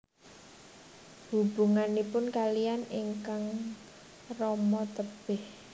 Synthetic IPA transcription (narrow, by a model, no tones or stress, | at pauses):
hub̥uŋanipʊnkalijaniŋkaŋ | rɔmɔt̪əb̥ɪh